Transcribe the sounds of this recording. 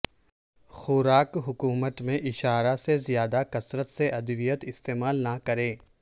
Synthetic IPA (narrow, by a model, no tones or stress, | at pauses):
xʊɾaːkɦʊkuːmət̪mẽʔɪʃaːɾasezjaːd̪akɐsɾət̪seʔɐd̪ʋijət̪ɪst̪eːmaːlnakɐɾẽː